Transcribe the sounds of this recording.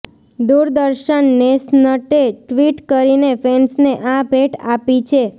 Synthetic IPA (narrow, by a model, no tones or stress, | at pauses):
d̪uɾd̪əɾʃənːesnəʈeʈʋiʈkəɾinefensneʔabʱeʈapit͡ʃʰe